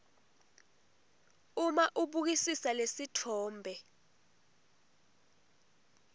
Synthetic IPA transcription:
umaʔuɓuk̬isisalesitʰɔːmbʱɛ

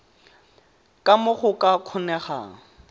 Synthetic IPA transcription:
kʼamʊχʊkʼakʰʊnɛχa̰ːŋ̩

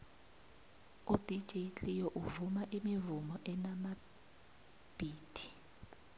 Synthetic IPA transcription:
ud̥ʱi̥ʒ̥ʱit͡ɬʼijɔʔuvumaʔimivumɔʔɛnama | b̥ʱiːd̥ʱi̥

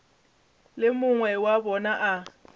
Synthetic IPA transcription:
lɪmʊŋwɛwabɔnaʔa

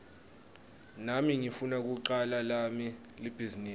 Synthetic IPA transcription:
namiŋifunak̬uǃalalami | lib̥ʱiziniː

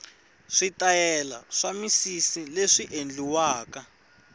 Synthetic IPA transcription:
ʂitajɛla̰ʂamisisileʂiʔend͡ɮiwaːka

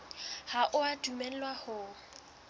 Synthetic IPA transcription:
haʔʊadumɛn̩lwahʊ

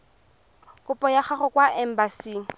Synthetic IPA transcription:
kʼʊpʼɔjaχaχɔkwaɛm̩basiːŋ̩

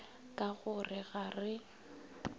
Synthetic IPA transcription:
kʼaɣʊrɪɣarɪ

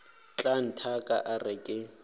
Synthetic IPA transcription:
t͡ɬʼan̩tʰakʼa̰ʔarɪkʼɪ

